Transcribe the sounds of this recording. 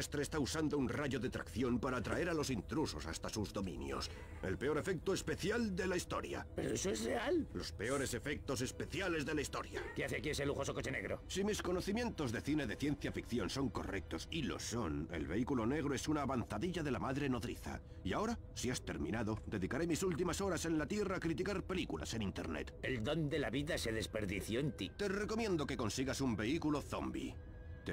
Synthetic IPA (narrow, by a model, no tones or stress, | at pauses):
st̪ɾeːst̪ausand̪ounraʝo̞ðet̪ɾa̰kθjo̞mpaɾaːt̪ɾa̰e̞ɾalo̞sint̪ɾuso̞sast̪asuzðo̞mḭ̃njo̞̰s | e̞̰lpe̞o̞ɾe̞fe̞k̚t̪oe̞spe̞θjald̪e̞laist̪o̞̰ɾja̰pe̞ɾoesoezre̞allo̞spe̞o̞ɾe̞se̞fe̞k̚t̪o̞s̬e̞spe̞θjale̞zðe̞laist̪o̞̰ɾjakeaθeakie̞seluxo̞soko̞t͡ʃe̞neɣɾo̞̰simisko̞no̞θimje̞nt̪o̞zðeθine̞ðe̞θje̞n̟θjafikθjo̞nso̞ŋko̞̰rek̚t̪o̞silo̞̰so̞ne̞̰lβe̞ikulo̞ne̞ɣ̞ɾoe̞sunaːβanθaðiʎaðe̞lamaðɾe̞no̞ðɾḭθa̰ | iao̞ɾa | siast̪e̞̰ɾmḭ̃naðo̞d̪e̞ðikaɾe̞misult̪imaso̞ɾase̞nlat̪je̞raːkɾit̪̬ikaɾpe̞likula̰se̞nĩnt̪e̞ɾne̞̰t̪e̞ld̪o̞nd̪elaβiðase̞ðe̞spe̞ɾðiθjoent̪it̪e̞re̞ko̞mjẽ̞nd̪o̞ke̞ko̞nsiɣasumbe̞ikulo̞θo̞̰mbḭ | t̪